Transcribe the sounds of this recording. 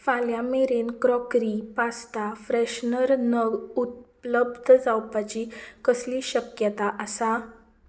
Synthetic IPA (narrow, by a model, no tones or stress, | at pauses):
faljameɾenkɾɔkɾipast̪afɾɛɕnəɾnəut̪ | ləbd̪ʱəd͡zawpat͡ɕikəsliɕəkjət̪aʔəsa